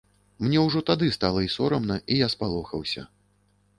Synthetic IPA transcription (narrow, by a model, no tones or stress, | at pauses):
mnʲɛwʐɔt̪ad̪ɨst̪alˠɐisɔɾɐmnɐʔijaspalˠɔxɐwsʲɐ̰